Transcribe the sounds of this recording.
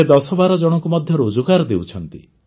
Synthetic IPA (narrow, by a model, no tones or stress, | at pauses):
ed̪ɔsɔbaɾɔd͡ʒɔɽ̃ɔŋkumɔd̪ʱjɔɾud͡ʒukaɾɔd̪ewt͡ʃʰɔnt̪ḭ